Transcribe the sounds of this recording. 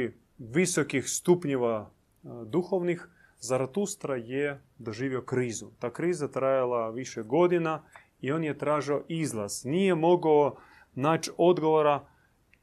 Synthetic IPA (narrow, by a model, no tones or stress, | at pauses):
ʋisokixst̪upɲoʋa | d̪uxoʋnix | zaɾat̪ust̪ɾaje | d̪oʒiːʋiokɾiːzut̪aːkɾiːzat̪ɾajalˠaʋiʃɛɡo̞d̪ina | io̞njet̪ɾaːʒioʔizlˠaznijemo̞ɡao | naːt͡ʃo̞d̪ɡoʋoɾa